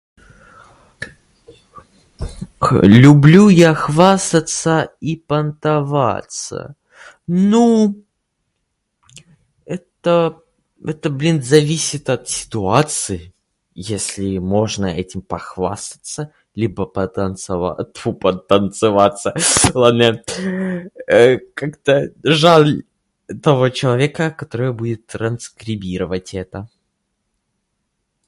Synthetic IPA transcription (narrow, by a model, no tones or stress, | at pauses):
klʲʊblʲujaxvast̪ət̪səipənt̪ɐva̰t̪sə̰ | nu | ɛt̪ə | ɛt̪əblʲinzɐvʲisʲɪt̪ɐt̪sʲɪ̥t̪ʊat̪sɨɪ | jesʲlʲɪmo̞ʐnəɛtʲɪmpɐxva̰st̪ə̥t̪sə | lʲibəpəənsaupət̪ːənt̪sɨvat̪sːəlˠane | əkakt̪əʐalʲ | t̪ɐvo̞t͡ɕɪlˠɐvʲekəkɐt̪oɾəjəbudʲɪt̪ːɾənskɾʲɪbʲiɾəvətʲɛt̪ə